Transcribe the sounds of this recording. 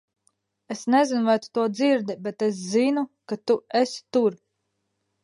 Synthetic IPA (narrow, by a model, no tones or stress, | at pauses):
esnɛzinvajt̪u̥t̪uɔd̪ziɾd̪ibet̪es̬zinukat̪uest̪uɾ